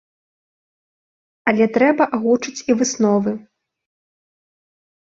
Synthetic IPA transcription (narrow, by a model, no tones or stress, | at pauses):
ɐlʲɛt̪ɾɛbɐʔaɣut͡ʂɨt͡sʲivɨsnɔvɨ